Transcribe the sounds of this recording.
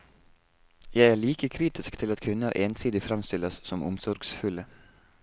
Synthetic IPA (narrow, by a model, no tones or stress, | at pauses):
jæɪæːɭiːkəkʰɾiːt̪ɪskt̪ʰɪlɑt̪kʰʉnə̰ɾʔeːnsiːd̪ɪfɾɑmst̪ɪlɑssɔmʔʊ̰msɔɾɡsfʉlə